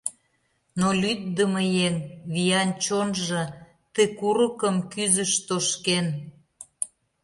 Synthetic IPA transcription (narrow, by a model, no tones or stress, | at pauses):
nolʲyt̪̚d̪əməjeŋβijɑnt͡ɕonʒɤ̆ | t̪ekuɾəkəmkyzəʃt̪oʃken